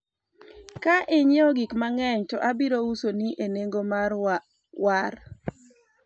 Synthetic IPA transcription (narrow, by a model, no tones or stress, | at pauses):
kaʔeɲjoɡikmaŋɛɲtɔʔabiɾousoniʔeneŋɡomar | waɾ